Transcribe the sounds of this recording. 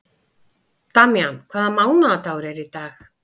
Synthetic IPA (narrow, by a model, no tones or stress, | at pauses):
t̪amjankʰv̥aːðamaːwnaðat̪aːwɾɛɾit̪aːx